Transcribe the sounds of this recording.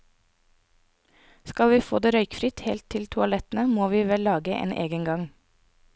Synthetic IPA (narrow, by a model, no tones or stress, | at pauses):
skɑlʋiːfo̰ːd̪eːɾœʏkfɾɪt̪heːlt̪ʰɪlt̪ʰʊɑlɛt̪n̩əmoːʋiːʋɛlːɑːɡəʔḛːnʔḛːɡənɡɑŋ